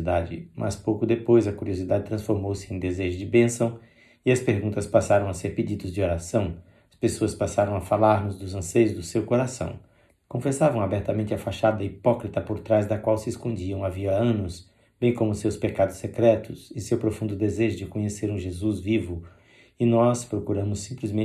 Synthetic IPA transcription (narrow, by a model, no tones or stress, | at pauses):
d̪ad͡ʒɪ̰mʔɐ̰spowkʊd̪epojzɐkuɾiozid̪ad͡ʒɪt̪ɾɐ̃sfoɾmowsɪẽj̃d̪ezeʒʊd͡ʒɪbẽsɐ̃w̃ | ɪɐspeɾɡũnt̪ɐspasaɾɐ̃w̃ɐseɾped͡ʒid̪ʊzd͡ʒɪoɾasɐ̃w̃ | ɐspesoɐspasaɾɐ̃w̃ɐfalaɾnʊzd̪ʊzɐ̃sejʊzd̪ʊsewkoɾasɐ̰̃w̃ | kõfesavɐ̃w̃abɛɾt̪ɐmẽnt͡ʃɪɐfaʃad̪ɐipɔkɾit̪ɐpoɾt̪ɾazd̪ɐkwawsɪeskõd͡ʒiɐ̃w̃aviɐɐ̃nʊs | b̥ẽj̃kõmʊsewspekad̪ʊsːekɾɛt̪ʊsɪsewpɾofũnd̪ʊd̪ezeʒʊd͡ʒɪkõɲeseɾũʒezuzvivʊ | ɪnɔspɾokuɾɐ̃mʊsːĩplɪzmẽ